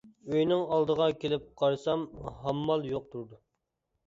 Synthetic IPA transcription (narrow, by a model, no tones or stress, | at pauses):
øjnɪŋɑlˠd̪əʁɑkʲelɪp̚qʰɑɾsɑmɦɑmːɑlˠjoq̚t̪ʰuɾd̪u